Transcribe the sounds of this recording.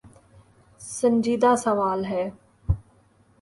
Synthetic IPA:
sə̃nd͡ʒiːd̪aːsɐʋaːlɦɛː

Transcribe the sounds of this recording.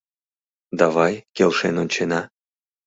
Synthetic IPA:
d̪ɑvɑjkʲelʲˠʃenonʲt͡ɕenɑ

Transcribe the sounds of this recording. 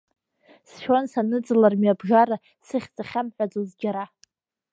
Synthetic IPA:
sʃᶣansanɨd͡zɨlarmjabʒaɾa | sɨχʲt͡sʼaχʲamħʷᶣad͡zozɡʲaɾa

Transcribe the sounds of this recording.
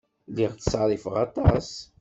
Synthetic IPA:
liʁθə̥sɾˤifəʁɑt̪ˤɑs

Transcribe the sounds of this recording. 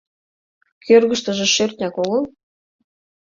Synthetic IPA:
kʰʲørɣə̆ʃt̪ɤ̆ʒĕʃørt̪ʲnʲækoɣɤ̆l

